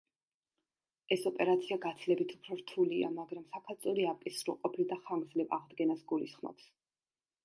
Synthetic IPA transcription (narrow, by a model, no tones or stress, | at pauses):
ɛsɔpʼɛɾat̪sʰiaɡat̪sʰlɛbit̪ʰu̥pʰɾɔɾt̪ʰulia̰maɡɾamsakʰaɾt̪sʼuɾiapkʼisɾṵlˠqʼɔpʰild̪aχaŋɡ̪zlɛva̰ʁd̪ɡɛnasɡulisχmɔ̰ps